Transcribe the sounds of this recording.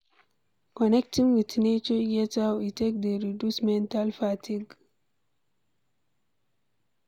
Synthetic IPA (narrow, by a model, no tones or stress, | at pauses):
kɔnɛktĩŋwitnet͡ʃɔjɛtawitek̚d̪eɾidusmɛ̃ntalfatʰiɡ